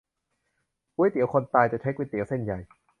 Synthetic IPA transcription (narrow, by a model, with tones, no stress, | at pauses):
ku˦˥jt̪i˨˦wkʰo˧nt̪aː˧jt͡ɕa˨˩t͡ɕʰa˦˥jkwi˦˥˩t̪i˨˩˦wse˥˩nja˨˩j